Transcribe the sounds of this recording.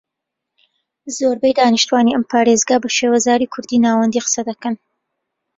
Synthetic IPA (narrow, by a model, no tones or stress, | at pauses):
zoɾbɛjd̪aːniʃt̪uwaːniʔɐmpʰaːɾeːzɡaːbɐʃeːwɐzaːɾiːkʰʊɾd̪iːnaːwɐnd̪iːqə̥sɐd̪ɐkɐn